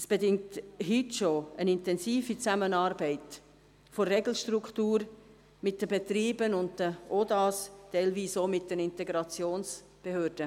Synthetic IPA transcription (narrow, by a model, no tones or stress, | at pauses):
sb̥edɪŋ̚thytʃoənɪntɛnsiːfit͡samənɑːɾbɛɪt | forɛɡl̩ʃtrukχtuːɾ | mɪt̚d̥əbetɾiːbənʊnt̚dəʔodɑːstɛɪlviːsoːmɪt̚d̥ɛnɪntɛɡɾɑt͡sjoːns | b̥ehøːɾd̥ə